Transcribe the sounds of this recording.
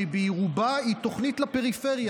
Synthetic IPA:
ibejʁubaito̞χnitlapeʁifeʁja

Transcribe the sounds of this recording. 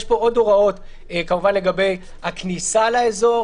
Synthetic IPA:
ʃpo̞o̞do̞ʁao̞t | kamuvanle̞ɡabe̞j | haknisalaezo̞

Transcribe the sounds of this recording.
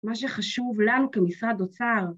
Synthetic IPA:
maʃ̬eχaʃuvlanukemisʁad̪ot͡saʁ

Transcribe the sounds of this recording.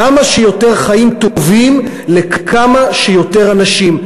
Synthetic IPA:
amaʃejo̞te̞ʁχaimt̪ovim | lekʰamaʃejo̞te̞ʁanaʃim

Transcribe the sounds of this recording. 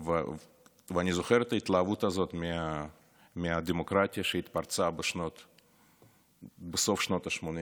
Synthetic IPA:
v | vəanʲizoxeɾɛt̪əit̪lˠɐːvut̪ɐzo̞t̪mʲɪa | mʲɪadʲɪmokɾatʲɪjɐʃeit̪part̪t͡sabɨʃnot̪ | bɨso̞fʃno̞t̪ɐʃmonʲi

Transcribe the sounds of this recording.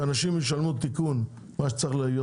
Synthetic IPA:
anaʃimjeʃ̬almut̪ikun | maʃe̥t͡saʁiχlajo

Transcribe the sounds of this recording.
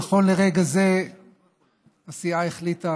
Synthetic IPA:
aχo̞nle̞ʁe̞ɡaze̞ | asiaeχlita

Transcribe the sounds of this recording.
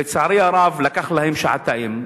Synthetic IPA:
ɪt̪saʕɾijaɾˤɑːvlakaxlhjɪmʃaʕat̪ːaʔɪm

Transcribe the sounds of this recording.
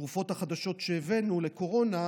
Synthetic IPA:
ʁufo̞t̪haχad̪aʃo̞t̪ʃeːvenule̞ko̞ʁo̞na

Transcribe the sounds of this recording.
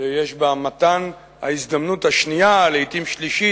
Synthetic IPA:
ejeʃbamat̪an | ha̰izd̪amnuthaʃnijaleit̪imʃliʃi

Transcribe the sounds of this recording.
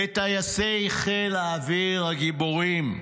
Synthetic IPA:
et̪ajasejχelaːviʁaɡiboʁim

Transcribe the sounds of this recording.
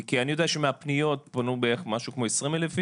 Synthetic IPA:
kianijo̞dejaʃemeapnijo̞t̚ponubeeχmaʃukmo̞esʁimelefi

